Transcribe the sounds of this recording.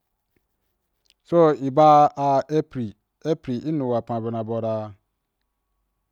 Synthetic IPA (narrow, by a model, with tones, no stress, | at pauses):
so˦i˨ba˦a˨ɛ˦pɾi˨ | e˦pɾi˨ʔi˦nũ˨wa˨pʰã˨bɛ˨nã˨bɔ˨ɾaː˦